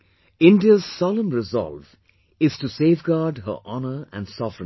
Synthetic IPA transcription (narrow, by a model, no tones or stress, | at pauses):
ɪ̃nɖiəzsɔlə̃mɾɪzɔ̰lv | ɪz̥ʈuseːvɡaːɖɦə̰ʔɑnə˞æ̰̃nsɔfɾɪ̃